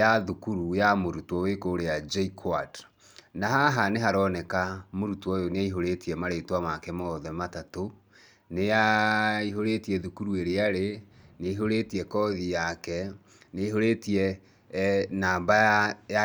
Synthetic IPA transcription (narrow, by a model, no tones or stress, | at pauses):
jaðukuɾujamoɾutwɔwekoɾead͡ʒɛikʰwad | naɦaɦaneɦaɾɔnɛkamoɾutwɔjoneaiɦoɾetiɛmaɾetwamakɛmɔɔðɛmatato | nejaiɦoɾetiɛðukuɾueɾeaɾe | neiɦoɾetiɛkɔðijakɛ | neiɦoɾetiɛ | naːmbaja